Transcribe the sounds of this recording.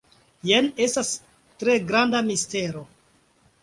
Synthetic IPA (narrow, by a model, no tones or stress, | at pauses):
jene̞stas | tɾe̞ɡɾandamiste̞ɾo̞